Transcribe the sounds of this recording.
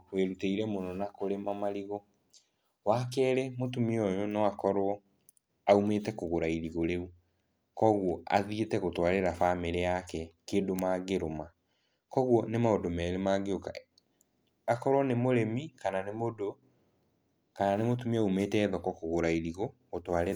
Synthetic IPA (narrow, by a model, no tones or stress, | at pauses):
weɾuteiɾɛmonɔnakoɾemamaɾiɣɔ | wakɛːɾemotumiɔjonɔakɔɾwɔ | aumetɛkoɣoɾaiɾiɣoɾeu | kɔɣwɔa̰ðietɛɣotwaɾeɾafameɾeakɛkeːndomaɡeɾoma | kɔɣwɔnemaodomɛɾemaɡeoka | akɔɾwɔnemoɾemikananemodo | kananemotumiaumeːtɛːðɔkɔkoɣoɾaiɾiɣoɣotwaɾe